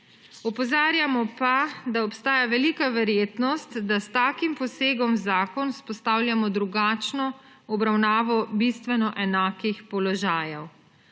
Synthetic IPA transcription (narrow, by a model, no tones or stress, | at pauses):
ɔpɔzaːɾjamɔpad̪aɔpst̪aːjaʋɛlikaʋɛɾjeːt̪nɔst̪d̪ast̪aːkimpɔseːɡɔmzaːkɔnuspɔst̪aːwljamɔd̪ɾuɡaːt͡ʃnɔ | ɔbɾawnaːʋɔbist̪ʋɛnɔʔɛnaːkixpɔlɔʒaːjɛw